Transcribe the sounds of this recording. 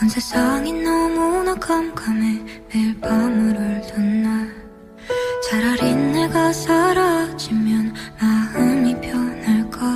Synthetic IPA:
kʌnsʰes͈aŋinːʌmonakʰamkʰamemepamuɾɯɭtɯnːa | t͡ɕaɾaɾinːeɡasʰaɾad͡ʑimjʌnmahɯɲipʰjʌnaɭk͈a

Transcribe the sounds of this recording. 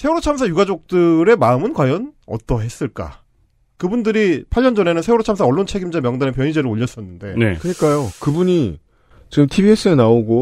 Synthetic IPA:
sʰe̞uɾot͡ɕʰamsʰajuɡad͡ʑok̚t͈ɯɾe̞maɯmɯnkwajʌnʌ̰t͈ʌɦe̞s͈ɯɭk͈a̰ | kɯbundɯɾipʰaʎːʌnd͡ʑʌne̞nɯnsʰe̞uɾot͡ɕʰams̬ʰaʌɭːont͡ɕʰe̞ɡimd͡ʑamjʌŋdanepjʌɲid͡ʑeɾɯoʎːʌs͈ʌnːɯnde̞nḛkɯɲik͈ajokɯbuɲi | t͡ɕiɡɯmtʰibie̞s͈ɯenaoɡo

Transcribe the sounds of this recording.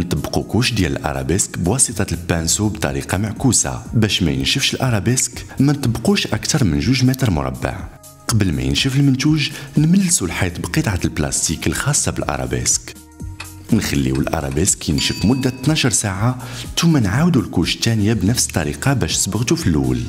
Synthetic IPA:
nt̪ˤɑbːqukuʃd̪jælə̰lʔɑ̰ɾˤɑ̰beskbwɑsit̪ˤɑlpːænsubt̪ˤɑ̰ɾiqɑmaʕkusa̰bæʃmæ̰jə̰nʃəfʃəlʔɑɾˤɑbeskmænt̪ˤɑbːquʃʔækt̪ɑɾˤmənʒuʒmæt̪əɾˤmʊ̰ɾˤɑ̰bːə̰ʕ | qɑbəlmæ̰jə̰nʃəfəlmənt̪uʒnməlːsulħit̪bqət̪ˤʕat̪əlplɑ̰st̪ikəlxɑsˤːɑbəlʔɑ̰ɾˤɑ̰bḛsk | nxælːiwəlʔɑ̰ɾˤɑ̰beskjənʃəfmʊd̪ːæt̪nɑʃəɾˤsaʕat̪umːænʕawd̪ulkuʃt̪ːænjabnəfsə̥t̪ˤːɑ̰ɾḭqɑbæʃnəsbəɣt̪ufilːṵl

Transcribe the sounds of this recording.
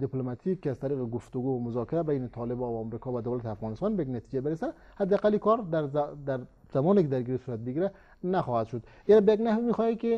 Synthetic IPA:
d̪iplomat̪ʰikːazt̪aɾiqeɡʊft̪ʊɡumʊzɔkɪɾabajnɪt̪ʰɒlɪbɔvaːmɾikɔvad̪awlat̪iafɣɑnɪst̪ɑnbejaɡnat̪id͡ʒabɪɾesa | had̪eaqalikɔɾd̪aɾd̪aɾ | z̥amɔnikɪd̪aɾɡiɾisuːɾat̪̚biɡiɾa | naxɔhad̪ʃʊd̪ | iɾabejaɡnahʋimixɔjikɪ

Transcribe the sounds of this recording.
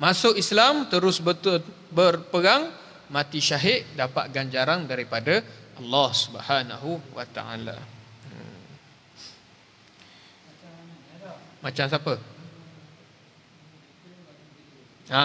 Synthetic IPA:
masʊkislamt̪əɾʊsbət̪ | bərpəɾaŋ | mãt̪iʃaɦɪʔ̚dapaʔ̪̚ɡand͡ʒaɾaŋdaɾipadaʔɑlːɑhsubhanaɦuwa̰t̪a̰a̰la̰ə | mat͡ʃams̬apə | a

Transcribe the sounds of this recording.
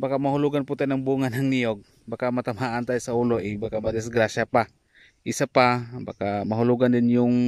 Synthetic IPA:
bakamahʊluɡanpʊt̪anaŋbuŋanɦaŋnijoɡ̚ | bakamat̪amhaʔant̪ajʊsauːloʔɪbakamad̪ɪsɡɾasapa | ʔɪsapaba̰kamaɦʊluɡand̪ɪnjʊŋ

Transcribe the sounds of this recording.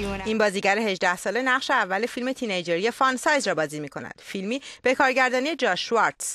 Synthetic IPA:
iːnbɒːziːɟæɾeɦe̞ʒd̪æhsɒːle̞næʁʃeævːæle̞filme̞t̪ʰinejd͡ʒeɾijefɒnsɒːjzɾɒːbɒːziːmiːkʰo̞̰næ̰d̪̥filmiːb̥e̞kʰɒːɾɟæɾd̪ɒːnije̞d͡ʒɒːʃuɒɾt̪s

